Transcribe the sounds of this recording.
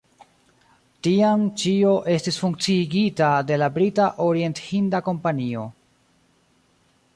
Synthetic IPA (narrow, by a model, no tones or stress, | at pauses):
tiamt͡ʃio̞ʔe̞stisfuŋk̚t͡siɡitade̞labɾitaʔo̞ɾie̞nthindako̞mpanio̞